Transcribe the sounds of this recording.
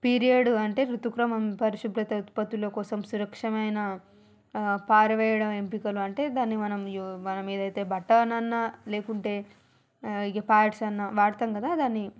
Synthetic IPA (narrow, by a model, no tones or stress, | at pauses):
piːɾijɐɽuɐɳʈe̞ːɾut̪ukɾɐmɐmpɐɾiʃupɾɐt̪ɐt̪pɐt̪ːulo̞ːkɔːsɐmsuɾɐkʂɐmɐjnɐ | paːɾɐʋɛːjɐɽɐmempikɐluɐɳʈe̞ːd̪aːnːimɐnɐmmɐnɐmeːd̪ɐjt̪e̞ːbɐʈːɐɾnɐnːɐle̞ːkuɳʈe̞ː | iɡepaːɖsɐnːɐʋaːɾt̪ɐmkɐd̪aːd̪aːnːi